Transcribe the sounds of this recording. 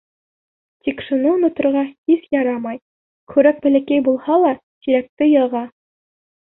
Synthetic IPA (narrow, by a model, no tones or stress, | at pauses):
t̪ʲikʃŏnomʲĕt̪̆rʁɑhiθjɑɾɑmɑj | kʰʉ̆ɾæk̚bɘ̆læ̆kæjbulˠhɑlˠɑ | t̪iɾæk̚t̪ɘjɤ̆ʁɑ